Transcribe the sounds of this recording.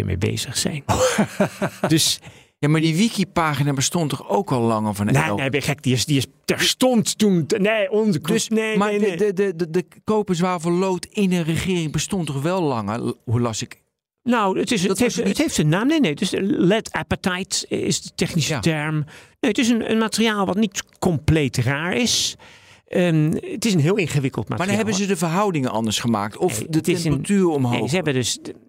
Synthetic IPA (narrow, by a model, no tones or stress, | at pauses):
ə̰mḛjbḛːzəxsɛ̰jn | døs | jamadiʋikipaːxinabəstɔntɔxowkʋɔlˠlɑŋəvɔnneneʋɛxɛk̚diɪsdiɪs | tɛɹstɔnttunneonzəsnemaədədəkoːpəs̬ʋaːvəlowtɪnənrəχɪːrɪŋbəstɔntɔxʋɛlˠlɑŋəhulɑsɪk | nowətɪsthefəthejftənaːmnenejdøslɛtʰapətajtɪ̰sdətɛxnisətɛɹmneətɪs̬ənə̰nmatəriaːlˠʋɑtnitkɔmpleːtraːɹɪs | ʔəətɪs̬ənɦɪːlˠɪnχəʋɪkəlˠtma̰arhɛabənzədəvərɦɑwdɪŋənʔɑ̰ndəɹsχəma̰ːk̚tɔfdətɪɛsatyːrɔmɦnoḛːəɛbədøs